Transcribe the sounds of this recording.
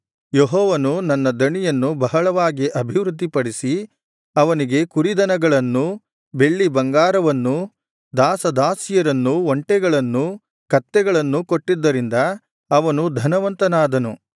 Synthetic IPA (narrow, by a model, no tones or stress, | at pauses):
jeɦɔːʋɐnunɐnːɐd̪ɐɳijɐnːubɐɦɐɭɐʋaːɡiʔɐbʱiʋɾud̪ːipɐɽisi | ɐʋɐniɡe̞kuɾid̪ɐnɐɡɐɭɐnːu | be̞ɭːibɐŋɡaːɾɐʋɐnːu | d̪aːsɐd̪aːsijɐɾɐnːuʋoɳʈɛɡɐɭɐnːu | kɐt̪ːɛɡɐɭɐnːukoʈːid̪ːɐɾind̪ɐ | ɐʋɐnud̪ʱɐnɐʋɐnt̪ɐnaːd̪ɐnu